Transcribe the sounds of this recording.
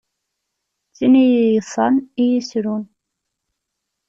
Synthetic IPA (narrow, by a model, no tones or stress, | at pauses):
t͡sːinijijəsˤɑnijisɾun